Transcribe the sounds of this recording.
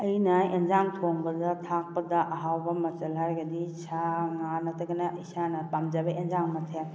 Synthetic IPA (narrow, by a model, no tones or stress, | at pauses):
ɐjnɐenzaŋtʰoŋbɐdɐtʰak̚pɐdɐʔɐɦawbɐmɐt͡ʃɐlɦaɾɡɐdisʰaŋanɐtʰɐɡɐnɐisʰanɐpamd͡ʒabɐenzaŋmɐtʰe